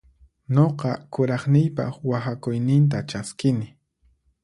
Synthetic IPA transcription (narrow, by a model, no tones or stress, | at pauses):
ɲoqɑkʊɾɑχnɪjpɑ̰χwahakʊjnɪnt̪at͡ʃaskɪnɪ